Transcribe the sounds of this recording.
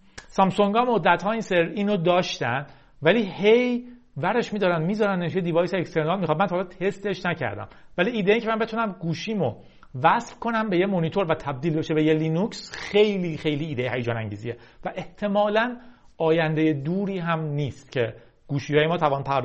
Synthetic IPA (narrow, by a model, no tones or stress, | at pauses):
sɒmsoŋɡɒːmod̪ːæt̪ɦɒːinseɾiːnod̪ɒːʃt̪ænd̪ | væliːhe̞j | væɾe̞ʃmiːd̪ɒːɾænmiːzɒːɾænd̪et̪ʰijed̪ivɒːjseːkst̪e̞ɾnɒːlmixχɒːd̪mænt̪ɒːlt̪ʰe̞st̪e̞ʃnæcʰæ̰ɾd̪æ̰mvæliːiːd̪eicʰemænbe̞t̪ʰunæmɡuːʃiːmo | væsfkʰo̞næmbe̞jemonit̪ʰo̞ɾvæt̪ʰæb̚d̪iːlbe̞ʃebe̞jeliːnuksxe̞jliːxe̞jliːd̪ejɦæjed͡ʒɒːnæŋɟiːzḭje | væʔeht̪ʰe̞mɒːlæn | ɒːjænd̪eje̞d̪uːɾiːɦæmniːst̪̚cʰe̞ | ɡ̥uːʃiːhɒːjemɒːt̪ʰævɒːnpʰæɾd̪